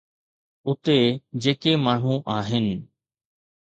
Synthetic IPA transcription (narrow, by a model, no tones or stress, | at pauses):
ʊt̪ed͡ʑeːkemaːɳ̤ũʔaːɦɪnɪ̆